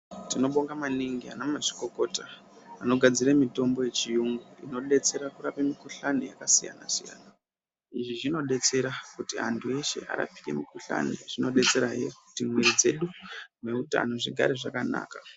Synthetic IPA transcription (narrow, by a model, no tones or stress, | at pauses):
tino̞ɓo̞ŋɡamaniŋɡia̰namaʐi̥ko̞ko̞taː | no̞ɡʱad͡ziramito̞mbo̞je̞t͡ʃijuŋɡuḭno̞ɗe̞t͡se̞ɾakurapemikuɬanejakasija̰na̰sija̰ːna | iʐiʐino̞ɗe̞t͡se̞ɾakutiɦantʰue̞ʃe̞̰ʔa̰ɾa̰pi̥ke̞̰mikuɬa̰niʐ̥ino̞ɗe̞t͡se̞ɾajḛkutimweid͡ze̞ɗume̞uta̰no̞ʐiɡʱa̰ɾeʐakana̰ːka